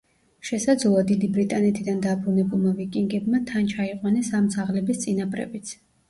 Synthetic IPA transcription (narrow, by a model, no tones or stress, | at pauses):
ʃɛsad̪zlˠad̪id̪ibɾit̪ʼanɛt̪ʰid̪and̪abɾunɛbulˠmavikʼiŋɡɛbmat̪ʰant͡ʃʰaiqʼwanɛsamt̪sʰaʁlɛbist̪sʼinapʼɾɛ̰bit̪sʰ